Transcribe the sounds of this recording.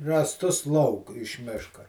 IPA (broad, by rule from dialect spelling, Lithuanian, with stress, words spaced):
rɑːsˈtʊs lˠɐʊk ɪʃ ˈmʲɪʃkɐ